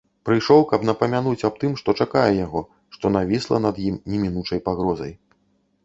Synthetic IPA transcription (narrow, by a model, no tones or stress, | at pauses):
pɾɨjʂɔwkɐbn̪ɐpɐmʲanut͡sʲɐb̚t̪ɨmʂt̪ɔt͡ʂakajɛjaɣɔ | ʂt̪ɔnavʲislˠɐ̰nɐd̪jimnʲɛmʲinut͡ʂɐjpaɣɾɔzɐ̰j